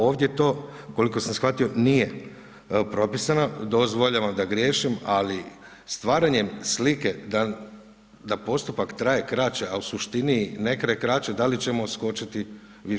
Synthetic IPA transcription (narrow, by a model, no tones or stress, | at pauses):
o̞ːʋd̪jet̪o̞ːko̞liko̞sansxʋat̪io̞nije̞ | pɾo̞pisanad̪o̞zʋo̞ʎaʋamd̪aɡɾʲje̞ːʃimali | st̪ʋaːɾaɲe̞mslike̞d̪a | d̪apo̞st̪upakt̪ɾaje̞kɾat͡ʃeausuʃt̪inine̞kɾajekɾat͡ʃed̪alit͡ɕe̞mo̞sko̞t͡ʃit̪i | ʋi